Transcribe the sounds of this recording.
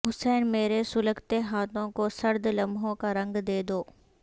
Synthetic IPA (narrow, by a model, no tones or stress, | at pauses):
ɦʊsɛːnmeːɾesʊləkt̪eɦaːt̪ʰõkosɐɾd̪lɐmʱɦõkaɾɐ̃ŋɡd̪eːd̪oː